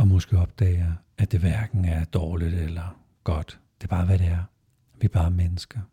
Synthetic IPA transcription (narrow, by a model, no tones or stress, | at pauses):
ɒ̽mɒ̽sɡ̥eɒ̽b̥̚d̥ɛ̰ːɪɐ | æd̥e̝ʋæɐɡ̥n̩æɐd̥ɒːlid̥elɐ | ɡ̥ɒ̽d̥ | d̥e̝b̥ɑ̈ːʋæɾe̝æɐ | ʋib̥ɑ̈ːmenəsɡ̥ɐ